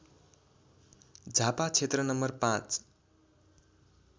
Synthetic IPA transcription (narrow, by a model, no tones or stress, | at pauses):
d͡zʱapat͡sʰet̪rʌnʌmbʌrpãt͡s